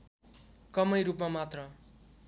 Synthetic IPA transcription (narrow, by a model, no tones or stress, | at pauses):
kʌmʌjɾupmamat̪rʌ